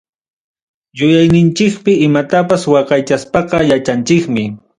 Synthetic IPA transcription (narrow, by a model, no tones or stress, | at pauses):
jʊjajnɪnt͡ʃɪkpɪɪmat̪apaswɑqɑjt͡ʃaspɑqɑjat͡ʃant͡ʃɪkmɪ